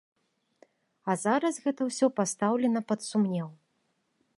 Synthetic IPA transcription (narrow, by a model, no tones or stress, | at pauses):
ɐzaɾɐsɣɛt̪ɐwsʲɔpast̪awlʲɛnɐpɐt̪sumnʲɛw